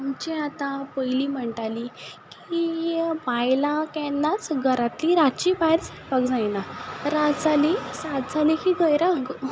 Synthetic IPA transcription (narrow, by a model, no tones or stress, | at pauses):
umt͡ɕeat̪ãpəjliːm̤əɳʈalikiibajlakɛnːat͡sɡʱəɾat̪liɾat̪t͡ɕiːbaɦeɾt͡səpakd͡zajnaɾad͡zalisat̪d͡zʱalikiɡəjɾaɡ